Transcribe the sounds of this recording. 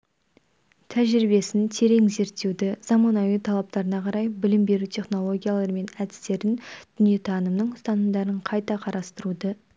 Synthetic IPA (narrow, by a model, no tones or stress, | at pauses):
t̪ʰæʒɾɪbe̞sɪnt̪ʰe̞ɾe̞ŋze̞ɾt̪ːe̞wd̪ɪz̥ɑmɑnɑjut̪ʰɑlˠɑp̚t̪ɑɾənɑqʰɑɾɑjbɪlɪmbe̞ɾut̪ʲʰe̞χno̞lˠo̞ɡʲijalˠɑɾme̞næd̪ɪ̥st̪e̞ɾɪnd̪̥ʏnije̞t̪ʰɑnəmnəɴʊst̪ɑnəmd̪ɑɾəɴqʰɑjt̪ɑqʰɑɾɑst̪əɾud̪ə